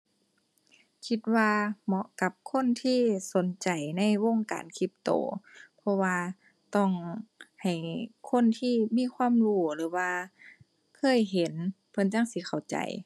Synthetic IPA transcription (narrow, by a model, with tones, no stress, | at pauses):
kʰi˧˥t̪̚waː˧mɔ˧ʔka˧˦p̚kʰo˧˥˨nt̪ʰiː˧˥˨so˨˦nt͡ɕa˨˩jna˧˥˨jwo˧˨ŋka̰ː˨nkʰi˧˦p̚t̪o̰ː˨˩pʰɔ˧˥waː˧ | t̪ɔ˧˩ŋha˨˩jkʰo˧˥˨nt̪ʰiː˧˥˨miː˧˥˨kʰwaː˧˥˨mluː˧˩lɯː˨˦waː˧ | kʰɤː˧˥˨jɦe˨˦n | pʰɤ˧˨nt͡ɕa˧˥˨ŋsi˧˦kʰa˨˩wt͡ɕa̰˨˩j